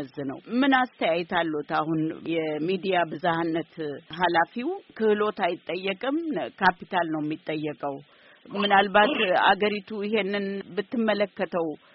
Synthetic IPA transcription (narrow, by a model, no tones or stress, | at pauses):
əzːɨnə̰wmɨnast̪ʰəjajɛt̪ʰalːot̪ahunjɛmid̪ijabɨzahanːət̪ɦalafiwkʰɨhɨlo̞t̪ajɪt̪ʼːəjːɛkʼɨmkʰapit̪ʰalnəwɛmːit̪ʼːəjːɛkʼəw | mɨnalbat̪a̰ɡəɾit̪ʰuɪɦe̞nːɨnbɨt̪ʰːɨmːələkːət̪ʰəw